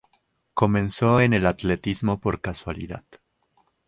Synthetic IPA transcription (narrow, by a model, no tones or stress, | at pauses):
ko̞mẽ̞nso̞ene̞lat̪le̞t̪izmo̞po̞ɾkaswalḭða̰ð